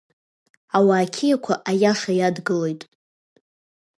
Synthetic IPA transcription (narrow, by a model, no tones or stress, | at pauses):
awaːkʲʰijakʷʰaʔajaʂajadɡɨlo̞jtʼ